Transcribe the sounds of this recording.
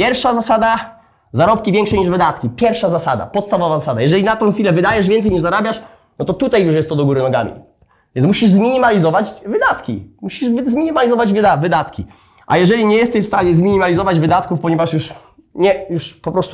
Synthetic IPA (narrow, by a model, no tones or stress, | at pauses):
pʲjɛɾfʂazasad̪a | zaɾɔpkʲivʲjɛŋkʂɛɲiʐvɘd̪at̪kʲipʲjɛɾfʂazasad̪a̰pɔt̪st̪avɔvazasad̪ajɛʐɛlʲinat̪ɔ̃xʲfʲilɛvɘd̪ajɛʐvʲjɛnsɛjɲiʐzaɾabʲjaʂ | nɔt̪ɔt̪ut̪ajjuʂjɛst̪ːɔd̪ɔɡuɾɘnɔɡa̰mʲḭ | v̥ʲɛ̃nsmuɕiʐzmʲiɲimalʲizɔvat͡ɕvɘd̪at̪kʲḭmuɕiʐvzmʲiɲimalʲizɔvad͡ʑvavɘd̪at̪kʲi | ʔa̰jɛʐɛlʲiɲɛjɛst̪ɛɕfst̪aɲɛzmʲiɲimalʲizɔvad͡ʑvɘd̪at̪kufpɔɲɛvaʂjuʂ | ɲɛjuʂpɔpɾɔst̪u